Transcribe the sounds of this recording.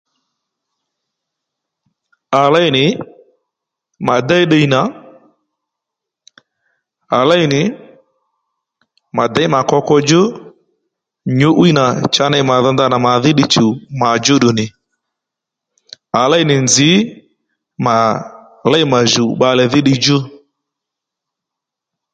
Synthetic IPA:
a˨la˦ɪ˦nɪ˨ | ma˨da˦ɪ˦ɗə˦i˦na˨ | a˨la˦ɪ˦nɪ˨ | ma˨da˦ɪ˦ma˨kɔ˧kɔ˧d͡ʒʊ˦ | ɲʊ˦ʔwi˦na˨t͡ʃa˧na˧ɪ˦ma˨ðɔ˧nda˧na˨ma˨ðɪ˦ɗɪ˦t͡ʃu˨ma˨d͡ʒʊ˦ɗʊ˨nɪ˨ | a˨la˦ɪ˦nɪ˨nd͡zɪ˨˦ | ma˨ | la˦ɪ˦ma˨ʒu˨ɓa˧lɛ˨ðɪ˦ɗɪ˧d͡ʒʊ˦

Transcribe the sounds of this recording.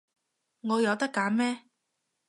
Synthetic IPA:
ŋɔː˨˧jɐ˨˧wt̪ɐ˥kːaː˨˥mɛː˥

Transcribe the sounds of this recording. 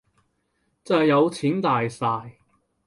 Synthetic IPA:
t͡sɐ˨˩jːɐ˨˧wt͡sʰiː˨˥nt̪aː˨jsaː˧j

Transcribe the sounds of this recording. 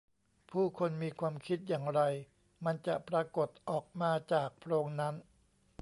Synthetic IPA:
pʰuː˥˩kʰo˧nmiː˧kʰwaː˧mkʰi˦˥t̪̚jaː˨˩ŋɾa˧j | ma˧nt͡ɕa˨˩ʔpɾaː˧ko˨˩t̪̚ʔɔː˨˩k̚maː˧t͡ɕaː˨˩k̚pʰɾoː˧ŋna˦˥n

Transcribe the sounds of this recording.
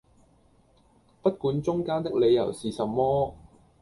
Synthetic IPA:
pɐ˥t̚kuː˨˥nt͡sʊ˥ŋkaː˥nt̪ɪ˥k̚le˨˧jɐ̰˨˩wsiː˨sɐ˨˩mːɔː˥

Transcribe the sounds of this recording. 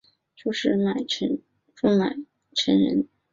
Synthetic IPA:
t͡ɕo˥˧ʂɻ̩˥˧na˨˩ɪʈ͡ʂʰə˧˥n | ʈ͡ʂo˥˩ŋna˨˩ɪ | ʈ͡ʂʰə˧˥nɻə̰˧˥n

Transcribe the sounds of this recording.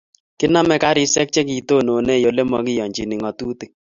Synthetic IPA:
kɪ˦na˦mɛ˦ka˦ɾɪ˦sɛ˦k̚t͡ʃe˦ki˨to˦˨no˨ne˦˨jo˨le˦mɔ˨˦kɪ˦jɔ˨ɲd͡ʒi˨ni˨ŋɔ˨tu˦te˨

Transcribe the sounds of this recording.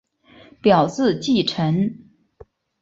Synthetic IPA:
pjɑ˨˩ʊt͡sɹ̩˥˧t͡ɕi˥˩ʈ͡ʂʰə˧˥n

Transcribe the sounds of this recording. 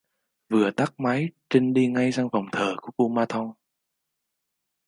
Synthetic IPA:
vɨ˨˩ət̪a˦˥k̚ma˨˦jt͡ɕï˧ŋɗi˧ŋa˧jza˧ŋva˨˩wŋ͡mt̪ʰəː˨˩ku˧˩əʔu˧maː˧t̪ʰɔ˧ŋ

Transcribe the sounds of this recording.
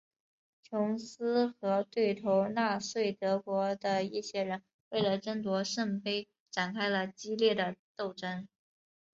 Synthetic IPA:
t͡ɕʰjʊ˧˥ŋsɹ̩˥xɤ˧˥t̪we˥˩ɪt̪ʰo˧˥ʊna˥˧swe˥˩ɪt̪ɤ˧˥kwɔ˧˥d̪ə˧i˥˩ɕjɛ˥ɻə˧˥n | we˥˩ɪlə˩ʈ͡ʂə˥ŋt̪wɔ˧˥ʂə˥˩ŋpe˥ɪ | ʈ͡ʂa˨˩nkʰa˥ɪlə˨t͡ɕi˥ljɛ˥˩d̪ə˩t̪o˥˩ʊʈ͡ʂə˥n

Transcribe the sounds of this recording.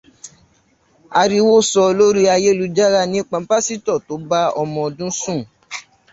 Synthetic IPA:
a˧ɾi˧wo˦˨sɔ˧lo˦ɾi˦a˧je˦lu˧d͡ʒa˦ɾa˦nĩ˦k͡pã˧˦pa˦si˦tɔ˦˨to˨˦ba˦ɔ˧mɔ̃˧o˧dũ˦sũ˦˨

